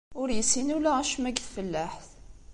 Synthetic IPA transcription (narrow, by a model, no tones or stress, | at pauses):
ʊɾjəsːinulææʃmæɡθfəlːæħθ